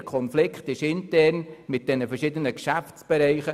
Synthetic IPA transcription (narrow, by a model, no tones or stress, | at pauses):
kʰɔnflɪkχtɪʃɪntɛrnmɪt̚d̥ɛnəfərʃɪd̪ənəkʃæft͡sb̥ɛɾɛɪχə